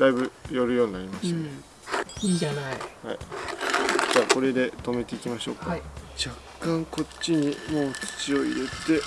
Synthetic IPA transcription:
d̪aibɯ̟jo̞ɾɯjo̞ːɲ̟inaɾʲimase | ianaiha̰i | d͡ʑaːko̞ɾe̞d̪e̞t̪o̞me̞t̪e̞ikʲimaɕo̞ːkaid͡ʑakːãŋko̞tɕiɲ̟imo̞ːt͡ɕi̥t͡ɕio̞ḭɾe̞t̪e̞

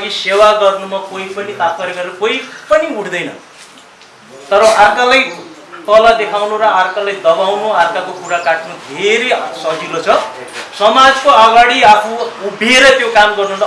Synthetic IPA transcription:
ɡisewaɡʌrnumakoipʌnit̪apʰʌɾeɡʌɾeɾʌkojpʌniuɽd̪ʌjnʌ̰ | t̪ʌɾʌarkalaj | t̪ʌlad̪ekʰawnoɾʌarkalajd̪ʌbawnoarkakokuɾakaʈnud̪ʱeɾesʌd͡zilot͡sʰʌsʌmad͡zkoʌɡaɽiapʰuubʱeɾʌt̪jokamɡʌrnun

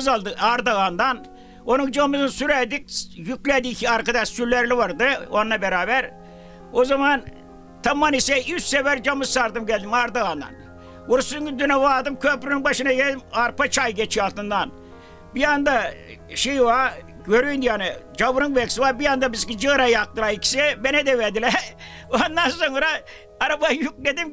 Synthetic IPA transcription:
zalˠd̪ɯaɾd̪aɣand̪an | o̞nuŋd͡ʒamɯzɯnsyɾɛd̪ik̚jykʲlʲɛd̪ikʰiaɾkad̪aʃsylʲːɛɾlʲivaɾd̪ɯonlˠabeɾaːbæɾ | ozaman | t̪ʰamːanisɛyssɛvɛɾd͡ʒamɯzsaɾd̪ɯmɟɛlʲd̪imaɾd̪aɣand̪a̰n | uɾsŋɡyd̪ynɛvaːd̪ɯmkʰøpɾynynbaʃɯnaɡelʲd̪imaɾpat͡ʃʰajɟet͡ʃʰialˠt̪ɯnd̪an | bijand̪a | ʃejwa | ɟøɾyjnd̪ianɯd͡ʒabuɾɯŋbɛkʲsiʋabijand̪abizkid͡ʒɯɾajak̚t̪ɯlaikʲi̥sɛbenɛd̪ɛved̪ilɛ | ond̪anso̞ŋɾaː | ɾabajuk̚led̪im

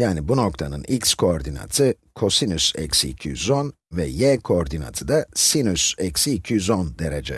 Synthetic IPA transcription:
jaːnibuno̞k̚t̪ʰanɯnʔicskʰo̞ːɾd̪ina̰t̪ʰɯ | kʰo̞sinysɛ̰csiːcʰijyzo̞n | vɛjɛkʰoːɾd̪ina̰t̪ʰɯd̪asinysɛcsiːcʰijyzo̞nd̪eɾed͡ʒɛ̰

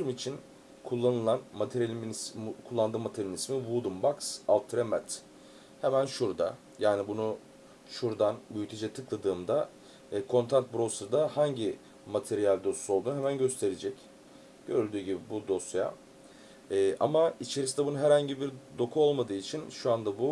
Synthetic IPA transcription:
ɾumit͡ʃʰin | kʰulˠːanɯlˠanmat̪ʰeɾlʲmkʰulˠːand̪ɯːmat̪ʰelʲinismivuːd̪umbaksalˠt̪ʰɾɛmɛt̪ | hemænʃuɾd̪a | jaːnibunu | ʃuɾd̪anmyjt̪ʰed͡ʒɛt̪ʰɯklˠad̪ɯːmd̪a | kʰo̞nt̪ʰant̪̚bɾo̞sɾd̪ahaɲɟi | mat̪ʰeɾijalʲd̪o̞suo̞lˠd̪uːemænɟøst̪ʰe̞ɾed͡ʒɛc | ɟ̥øɾd̪yːɟibibud̪o̞sja̰ | ɛːʔa̰mait͡ʃʰe̞ɾisind̪ɛbununɦɛɾhaɲɟibiɾd̪o̞kʰuo̞lˠmad̪ɯːit͡ʃʰinʃuand̪abu

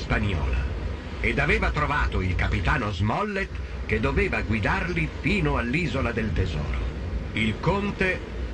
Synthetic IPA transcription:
spaɲɔ̰ːla̰ | ed̪aveːvat̪ɾovaːt̪oilkapit̪aːnozmɔlːet̪ | ked̪ːoveːvaɡwid̪arlifiːnoalːiːzolad̪elt̪ezɔ̰ːɾo̰ilkont̪e

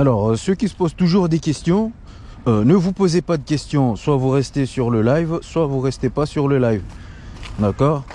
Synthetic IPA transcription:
alɔʁsøkʲisə̥pozt̪uʒuʁd̪ekʲɛst̪jɔ̃ | ønəvupozepad̪əkʲɛst̪jɔ̃swavuʁɛst̪esyʁləlajvswavuʁɛst̪epasyʁləlajv | d̪akɔːʁ

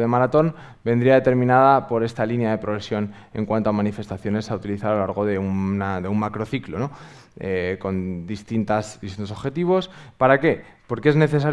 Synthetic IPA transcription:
ðemaɾat̪o̞n | bend̪ɾiaðe̞t̪e̞ɾmĩnað̞apo̞ɾe̞st̪alinjaðe̞pɾo̞ɣ̞ɾe̞sjo̞n | e̞̰ŋkwant̪oamanife̞st̪aθjo̞ne̞saut̪iliθaɾaolaɾɣ̞o̞ðe̞unaðe̞ummakɾo̞θiklono̞ | eko̞nd̪ist̪int̪azðist̪int̪o̞so̞βxe̞t̪iβ̞o̞spaɾake̞po̞ɾkee̞zne̞θe̞saɾ

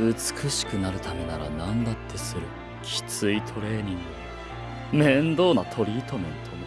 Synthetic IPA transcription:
ɯ̟t͡sɨ̥kɯɕi̥kɯ̟naɾɯ̟t̪ame̞naɾa̰nãnd̪at̪ʰːe̞sɨɾɯ̟ | kʲʰi̥t͡sɨit̪ʰo̞ɾe̞ːɲ̟ĩŋɡɯ̟ | mẽ̞nd̪o̞ːnat̪ʰo̞ɾʲiːt̪o̞mḛ̃nt̪ʰono

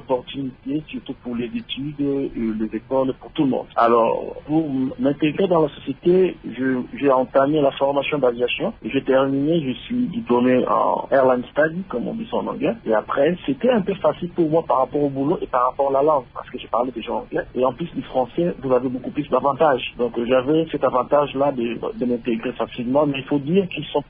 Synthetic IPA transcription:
ɔpɔʁt̪ynit̪esyʁt̪upuʁlezet̪yd̪lezekɔlpuʁt̪uləmɔ̰̃d̪̥a̰lɔ̰ʁpuʁmɛ̃t̪eɡʁed̪ɑ̃lasɔsjet̪eʒəʒɛɑ̃t̪amelafɔʁmasjɔ̃d̪avjasjɔ̃eʒet̪ɛʁmineʒəsɥid̪iplomeɑ̰̃ɛʁlɑ̃d̪st̪ad̪ikɔmɔ̰̃d̪isɑ̰̃nɑ̰̃ɡlɛeapχɛset̪ɛɛ̃pøfasilpuʁmwapaʁːapɔʁobuloʔepaʁapɔʁalalɑ̃ɡpa̰ʁsə̥kəʒepaʁled̪eʒɑ̃ɑ̰̃ɡlɛeɑ̃plysd̪efχɑ̃sɛvuzavebokuplysd̪avɑ̃t̪aʒd̪ɔ̃kʒavɛsɛt̪avɑ̃t̪aʒlad̪əd̪əmɛ̃t̪eɡʁefasilmɑ̃mɛilfod̪iʁkilsɔ̃

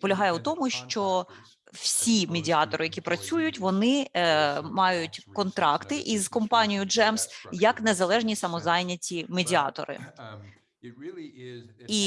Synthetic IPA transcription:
pɔlʲɐɦɑjɛʊt̪ɔmʊʃt͡ʃɔ | w̥sʲimedʲiɑt̪ɔɾɪjɐkʲipɾɐt͡sʲujʊtʲʋɔnɪ | mɑjʊtʲkɔnt̪ɾɑkt̪ɪʔizkɔmpɑnʲijʊd͡ʒɛmsjɐknezɐlˠɛʒnʲisɐmɔzɑjnʲɐtʲimedʲiɑ̰t̪ɔ̰ɾɪ̰ | i

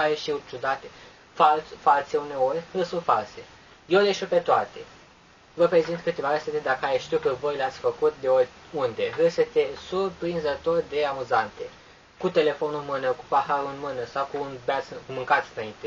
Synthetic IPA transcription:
aɾeʃiut͡ʃud̪at̪e | falfalse̞une̞o̞rʲhɨlsunt̪false̞ | jewd̪eʃipe̞t̪oat̪e̞ | vəpɾe̞zint̪kɨt̪e̞vaɾəset̪ed̪akəaɾeʃt̪iwkəvo̞jleat̪sʲfəkut̪̚d̪e̞orʲ | und̪e̞ɦɨset̪esurpɾinzət̪o̞rʲd̪e̞amuzant̪e̞ | kut̪e̞le̞fo̞nulmɨnəku̥pahaɾunmɨnəsawkunbat̪sɨkumɨŋkat̪sɨnaint̪e̞

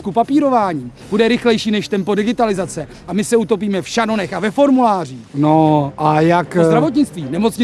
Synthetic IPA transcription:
kupapiːɾo̞vaːɲiːb̥udɛɾɪxlɛjʃiːnɛʃt̪ɛmpodɪɡɪt̪alɪzat͡sɛ | ʔamɪsɛut̪o̞p̬iːmɛfʃano̞nɛxavɛfo̞ɾmulaːr̝iːnoʔajakzd̪ɾavo̞t̪̬ɲɪt͡st̪viːnɛmo̞t͡sɲɪ

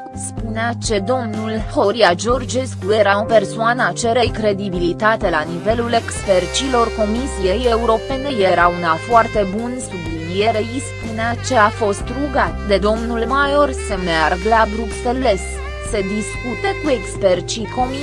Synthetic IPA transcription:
spuneat͡ʃe̞d̪o̞mnulho̞ɾiad͡ʒo̞rd͡ʒe̞skuje̞ɾaope̞rsoanəat͡ʃe̞ɾejkɾe̞d̪ibilit̪at̪e̞lanive̞lule̞kspe̞rt͡ʃilo̞rko̞misije̞je̞uɾo̞pe̞nejeɾaunafoart̪e̞bunsublinieɾeispuneat͡ʃe̞afo̞st̪ɾuɡat̪d̪e̞d̪o̞mnulmajo̞rsəmearɡlabɾupseles | se̞d̪iskut̪ekue̞kspert͡ʃiko̞mi

